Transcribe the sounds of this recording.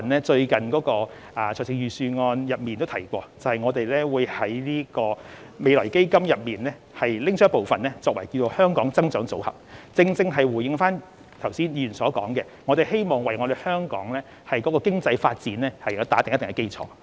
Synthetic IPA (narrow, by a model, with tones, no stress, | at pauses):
nɛː˥t͡ʃɵ˧ɥkɐ˨nkɔː˨˥kɔː˧ | aː˨˩t͡sʰːksʰɪ˧ŋjyː˨syː˧ŋɔː˧njɐ˨p̚miː˨nt̪o˥wt̪ʰɐ˨˩jkʷɔː˧t͡sɐ˨˩hɐ˨jŋɔː˨˧t̪e˨jlɛː˥wuː˨˧jhɐ˨˥jniː˥kɔː˧ | me˨˧jlɔː˨˩jke˥jkɐ˥mjɐ˨p̚miː˨˩nlɛː˥ | hɐ˨jlɪ˥ŋsʰœː˥po˨wfɐ˨nlɛː˥t͡sɔː˧k̚wɐ˨˩jki˧wt͡so˧whœː˥ŋkɔː˨˥ŋt͡sɐ˥ŋt͡sœː˨˥ŋt͡so̰˨˥whɐ̰˨˩p̚t͡sɪ˧ŋt͡sɪ˧ŋɦɐ˨jwuː˨˩jɪ˨˧ŋfaː˥n | t̪ʰɐ˨˩wsiː˥njy˨˩nsɔː˨˥kɔː˨˥ŋkɛ˧ŋɔ˨˧t̪e˨˩he˥jmɔː˨˩ŋwɐ˨jŋɔ˨˧ɾe˨jhœː˥ŋkɔ̰ː˨˥ŋlɛː˥ | hɐ˨˩jkɔː˨˥kɔː˧kɪ˥ŋt͡sɐ˧jfaː˧t̚t͡siː˨˥nɛː˥hɐ˨jɐ˨˧˥t̪aː˨˥t̪ŋ˥t̪ŋhɐ˨˩ke˥jt͡sʰɔ̰ː˨˥